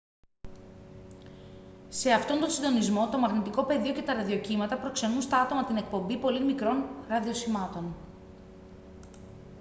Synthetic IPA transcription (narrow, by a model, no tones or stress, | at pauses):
se̞ɐft̪o̞nd̪osind̪o̞nizmo̞t̪omɐɣnit̪iko̞pe̞ðio̞ce̞t̪ɐɾɐðio̞cimɐt̪ɐpɾo̞kse̞nunst̪ɐɐt̪o̞mɐt̪ine̞k̚po̞mbipo̞limikɾo̞nɾɐðio̞simɐt̪o̞n